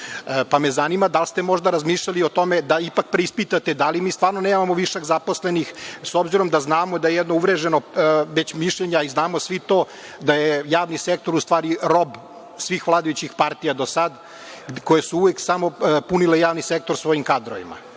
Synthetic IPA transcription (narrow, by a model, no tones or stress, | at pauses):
pamezanimad̪alst̪e̞mo̞ʒd̪aɾazmiːʃʎaliot̪o̞med̪aipak̚pɾeispit̪at̪ed̪alimiːst̪ʋaːɾnoneːmamo̞ʋiʃaɡzapo̞slenixsobziɾo̞md̪aznaːmod̪ajejɛd̪nouʋɾeʒenoʋet͡ɕmiʃʎeɲeaiznaːmosʋit̪oː | d̪ajejaːʋnisek̚t̪o̞ɾust̪vʋaːɾiɾo̞b | sʋixʋlˠaːd̪ajut͡ɕixpaɾt̪ijad̪osad̪ | ko̞jesuuʋeksamo̞punilejaːʋnisek̚t̪oɾsʋo̞jimkad̪ɾoʋḭma̰